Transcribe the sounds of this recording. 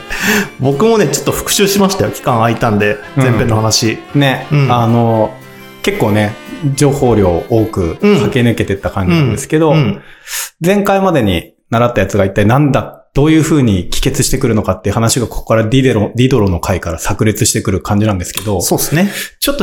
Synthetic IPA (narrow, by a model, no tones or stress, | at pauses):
bo̞kɯ̟mo̞ne̞t͡ɕo̥t̪ːo̞ɸɯ̥kɯ̟̥ɕɨːɕimaɕi̥t̪ajokʲi̥kãɰ̃ait̪ãnd̪e̞ɯ̃zẽmpe̞nːohanaɕinẽ̞ano̞ | ke̞kːo̞ːne̞d͡ʑo̞ːho̞ːɾʲo̞ːoːkɯ̟hake̞nɯ̟ke̞t̪e̞t̪ːakãɲ̟d͡ʑiinãnd̪esɨ̥ke̞d̪o̞ | d͡zẽ̞ŋkaimad̪e̞ɲ̟i | naɾat̪ːajat͡sɨɡait̪ːainãnd̪ad̪̥o̞ːjɯ̟ːɸɯ̟ːɲ̟ikʲi̥ke̞t͡sɨɕi̥t̪e̞kɯ̟ɾɯ̟no̞kat̪ːeɯ̟hanaɕiɡako̞ko̥kaɾadʲiɾoɾʲid̪o̞ɾo̞no̞kʰaikaɾasakɯ̟ɾʲit͡sɨɕi̥t̪e̞kɯ̟ɾɯ̟kʰãɲ̟d͡ʑinãnd̪e̞sɨ̥ke̞d̪o̞soːsnet͡ɕot̪ːo